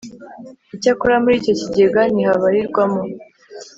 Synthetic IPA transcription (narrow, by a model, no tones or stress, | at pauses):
icakuɾamuɾiːco̞ciɟe̞ɡaniɦaβaɾiɾɡwamo